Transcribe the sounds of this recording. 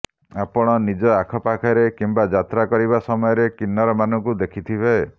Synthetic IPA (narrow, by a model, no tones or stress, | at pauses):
apɔɽ̃ɔnid͡ʒɔakʰɔpakʰaɾekimbad͡ʒat̪ɾakɔɾiβasɔmɔjɔɾekinːɔɾɔmanɔŋkud̪ekʰit̪ʰibʱe